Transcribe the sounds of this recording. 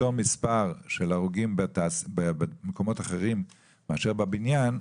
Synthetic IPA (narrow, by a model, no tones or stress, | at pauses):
omispaʁʃelaʁuɡimbetasbemeko̞mo̞taχeʁimː | eaʃe̞ʁbabinjan